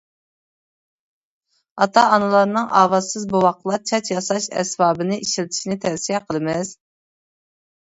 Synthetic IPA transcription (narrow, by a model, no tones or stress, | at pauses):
ɑt̪ʰɑːnɨlˠɑɾnɨŋʔɑ̰ːvɑsɨzbowɑqlˠɑt͡ʃʰɑt͡ʃjɑsɑʃɛ̰sbɑːbɨnɨʔiʃilt̪ʰɪ̥ʃinɪt̪ʰɛvsijɛqʰəlˠɨmɪz̥